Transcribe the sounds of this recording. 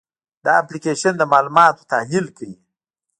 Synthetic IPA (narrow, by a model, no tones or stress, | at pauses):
d̪ɑaplikeʃand̪əmɑlumɑt̪o̥t̪ahlilkawi